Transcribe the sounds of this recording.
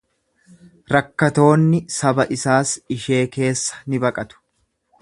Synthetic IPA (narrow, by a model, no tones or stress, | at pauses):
ɾɐkːɐt̪o̞ːnːɪsɐbɐʔɪsaːsɪʃe̞ːke̞ːsːɐ̥nɪbɐkʼɐt̪ʊ̥